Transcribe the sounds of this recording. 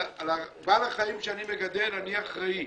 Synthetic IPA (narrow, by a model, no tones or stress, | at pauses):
labalaχaimʃeanimeɡad̪elaniaχʁai